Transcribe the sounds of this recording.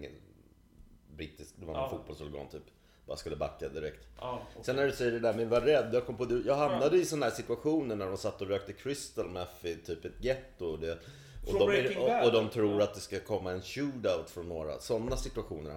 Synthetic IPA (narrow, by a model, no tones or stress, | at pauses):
ŋə̰n | bɾiːt̪ːɪskd̪ɛvaɾnfuːt̪bɔlsɔɾɡɑ̰ːnt̪ʰyːp | bɑ̰ːɾaskɵlːəba̰kːad̪ɪɾɛkt̪sɛnːæɖɵsɛjːəɖɛd̪æɾmɛvaɾɛd̪ːjaːkʰɔmpɔd̪ɵjɑːɡhamnad̪əɪsɔnad̪æːʂɪt̪ɵaɧuːnəɳæɖɔmsat̪ːɔɾøːk̚t̪əkʰɾʏst̪əlmɛfɪt̪ʰyːpɛt̪ɡɛt̪ːʊɔd̪ɛ | ɔɔɔd̪ɔmt̪ʰɾuːɾat̪̚d̪ɛskakʰɔmːaɛnɕʉːd̪aʊt̪fɾɔnːoːɾa̰sɔnːasɪt̪ɵaɧuːnə̰ɾ